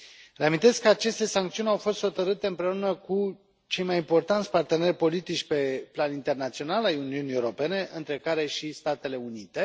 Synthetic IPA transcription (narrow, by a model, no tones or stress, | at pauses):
ɾeamint̪e̞skəat͡ʃe̞st̪e̞saŋk̚t̪siunʲawfo̞st̪xo̞t̪əɾɨt̪e̞ɨmpɾe̞unəku | t͡ʃe̞jmajimpo̞rt̪ant̪sʲpart̪e̞ne̞rʲpo̞lit̪it͡ʃʲpe̞planint̪e̞rnat̪sio̞nalajuniuniewuɾo̞pe̞ne̞ʔɨnt̪ɾe̞kaɾe̞ʃist̪at̪e̞le̞unit̪e̞